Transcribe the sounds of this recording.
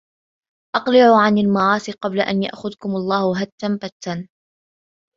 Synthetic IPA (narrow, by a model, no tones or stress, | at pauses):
ʔɑqlɪʕuʕanalmɑʕɑːsiqɑblaʔa̰nja̰ʔxʊðkʊmɑlˤːɑːhʊɦat̪ːambat̪ːan